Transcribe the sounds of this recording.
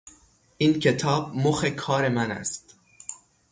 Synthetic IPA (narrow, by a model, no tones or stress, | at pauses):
ʔiːncʰe̞t̪ʰɒːb̚moxekʰɒːɾe̞mænæ̰st̪